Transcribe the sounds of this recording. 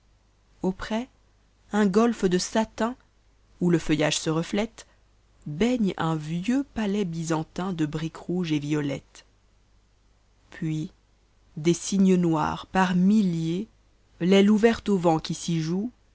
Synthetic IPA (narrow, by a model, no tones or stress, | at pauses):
opχɛ | ɛ̃ɡɔlfd̪əsat̪ɛ̃ | uləfəjaʒsəʁəflɛt̪ | bɛɲɛ̃vjøpalɛbizɑ̃t̪ɛ̃d̪əbʁikʁuʒevijɔlɛ̰t̪ | pʰɥi | d̪esiɲənwa̰ːʁpaʁmilje | lɛluvɛʁt̪ovɑ̃kʲisiʒu